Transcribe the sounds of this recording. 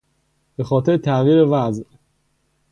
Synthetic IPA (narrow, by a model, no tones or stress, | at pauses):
b̥e̞xɒːt̪ʰe̞ɾet̪ʰæviːɾevæzʔ